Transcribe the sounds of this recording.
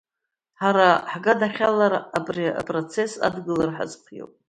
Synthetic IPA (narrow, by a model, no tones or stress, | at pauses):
ħaɾaħɡadaχʲalaɾabria̰pʼrot͡sʰe̞sa̰dɡɨlarħa̰zpʰjḛwpʼ